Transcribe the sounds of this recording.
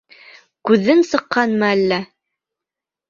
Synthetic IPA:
kʉðːɘnsɤ̆qːɑnmɑælːæ

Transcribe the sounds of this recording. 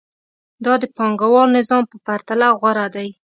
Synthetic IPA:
d̪ɑd̪əpɑŋɡawɑɾnɪzɑmpəpaɾt̪alaɣwaɾad̪aj

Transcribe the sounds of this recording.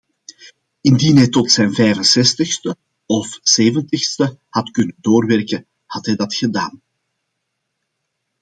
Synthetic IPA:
ɪndinɦɛjtɔtsɛjnvɛjvənsɛstəxstə | ɔfseːvəntəxstəhɑtkɵnəndoːrʋɛrkə | hɑtɦɛjdɑtxədaːn

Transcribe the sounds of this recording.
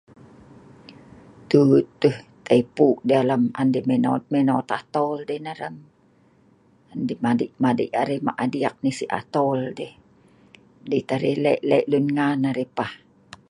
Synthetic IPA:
t̪ut̪ːəht̪aipuʔdialama̰ndimenomenot̪at̪ɔldehnaɾəm | andimadiʔmadḭʔaɾihma̰ʔadiak̚nisiʔa̰t̪ɔldeh | dit̪aɾilɛʔlɛʔlunŋanaɾipah

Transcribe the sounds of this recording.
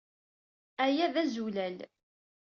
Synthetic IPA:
æjæðæzulæl

